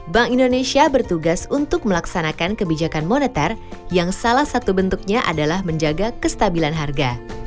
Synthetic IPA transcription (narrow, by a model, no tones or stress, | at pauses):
baŋindonesiabərt̪uɡasunt̪ʊk̚məlaksanakankəbid͡ʒakanmonet̪arjaŋsalahsat̪ubənt̪uk̚ɲaʔa̰dalahməɲd͡ʒaɡakəst̪abilanɦarɡa